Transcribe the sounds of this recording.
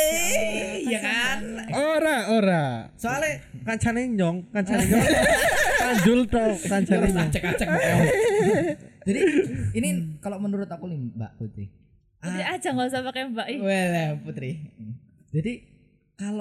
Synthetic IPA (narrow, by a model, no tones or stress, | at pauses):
jakanoɾaoɾasoale | kaɲt͡ʃʰaneɲɔŋkaɲt͡ʃaneɲɔŋ | aɲd͡ʒʊlt̪ɔkaɲd͡ʒanɛat͡ʃəkat͡ʃəkɔ | d͡ʒadiinikalomənuɾʊt̪akulimba̰ʔput̪ɾɪ̰h | ut̪ɾɪḁd͡ʒ̥aŋɔs̬apakjambaʔiwelɛput̪ɾɪ | d͡ʒ̥adi | kalo